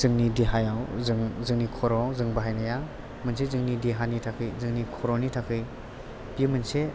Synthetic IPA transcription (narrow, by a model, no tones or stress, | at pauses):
zɯŋnidiɦajawzɯŋzɯŋnikʰɔɾɔzɯŋbaɦajnaja | mɯnsezɯŋnidiɦanitʰakʰɯjzɯŋnikʰɔɾɔnitʰakʰɯj | pimɯnse